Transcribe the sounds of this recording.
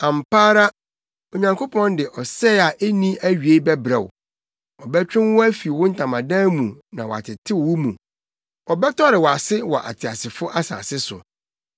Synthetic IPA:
ã˨m˨paː˦ɾa˦ | o˨ɲã˨ŋkʰo˦pʰɔ̃˦ndɪ˨ʔɔ˨sɛ˦a˨ʔe˦nĩ˦æ˦ɥi˨e˦bɛ˦bɾɛ˨wʊ˨ | ɔ˨bɛ˦t͡ɕᶣɪ̃˦nwʊ̃˦æ˦fi˨wʊ̃˦n̩˦tʰã˨mã˨dã˦mũ˨nã˨wɔ̰˨a̰˨tʰɪ˨tʰɪ˦wwʊ˦mũ˨ | ɔ˨bɛ˦tʰɔ˦ɾɪ˨wɔ˨a˨sɪ˦wɔ˨ʔa̰˨tʰɪ˨a˨sɪ˨fʊ˦ʔa˦sa̰ː˨sɪ˦sʊ̰˨

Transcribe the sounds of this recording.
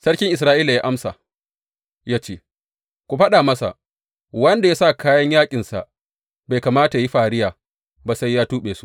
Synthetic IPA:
sɐ˦ɽkʲɪ˦ŋʔɪ˨s̬ɾaː˦ʔiː˦la˨jaː˦ʔa˦msa̰˨ | jaː˦t͡ʃeː˦ | kʷu˨ɸɐ˦ɗa˨mɐ˦sa̰˨ | wɐ˦nda˨jaː˦sa˦˨kaː˦jɐ˦ɲjaː˦kʲʼɪ˨nsa̰˨ʔ | ba˨jkaː˨maː˦ta˨ji˦ɸaː˨ɽɪ˦jaː˨ | ba˨sa˦jːaː˦tuː˦ɓeː˨su̥˦ʔ

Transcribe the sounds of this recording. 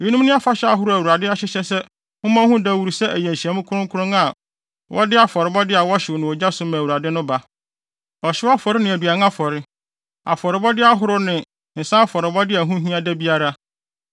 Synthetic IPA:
i˦nũ˦m˦nʊ̃˦a˦fa˦ɕɛ˦a˦˨ɦʊ˦ɾʊ˦æ˨wu˨ɾa˨dɪ˦a˦ɕɪ˦ɕɛ˦sɛ˦ | hʊ̃˦mã˦hũ˦dæ˦˨wu˨ɾu˨sɛ˦ʔæ˨jæ̃˨n˨ɕi˨ɛ˨˦mʊ̃˦kʰʊ˦ɾʊ̃˦kʰʊ˦ʊ̃˦ŋa˨ | wʔɔ̰˦dɪ˦a˨fɔ˨ɾɪ˨bɔ˦dɪ˦a˨wɔ˦ɕɪ˨wnɪ̃˨ɔ˨d͡ʑa˦sʊ˦mã˨wu˨ɾa˨dɪ˦nʊ̃˦ba˨˦ | ɔ˨ɕɪ˦wa˦fɔ˨ɾɪ˦nɪ̃˨æ˨du˨a˨ŋ˦a˦fɔ˨ɾɪ˦ | a̰˨fɔ˨ɾɪ˨bɔ˦dɪ˦a˦ɦʊ˦ɾʊ˦nɪ̃˨ | n̩˨sã˦a˦fɔ˨ɾɪ˨bɔ˦dɪ˦æ˨ɦũ˦ɦĩ˦a˦dæ˦bi˦a˦ɾa˦

